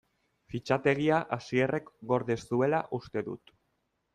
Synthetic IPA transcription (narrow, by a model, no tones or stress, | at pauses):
fit͡ʃat̪e̞ɣ̞iaʔasie̞rʔe̞kɡo̞ɾðe̞stue̞laʔust̪e̞ðṵt̪